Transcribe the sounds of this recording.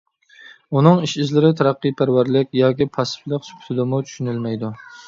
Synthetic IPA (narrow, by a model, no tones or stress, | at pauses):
unɨŋiʃizlɪɾɪt̪ʰæɾɑqːɨjpʰæɾwæɾlɪk̚ʲjɑːkʲipʰɑsɪ̥flˠəqsy̥psɪd̪ɪmut͡ʃʰy̥ʃynɪlmɛjd̪u